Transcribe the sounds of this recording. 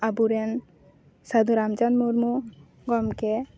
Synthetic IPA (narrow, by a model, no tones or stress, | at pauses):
abuɾɛn | sad̪uɾamt͡ʃanmuɾmu | ɡɔmkɛ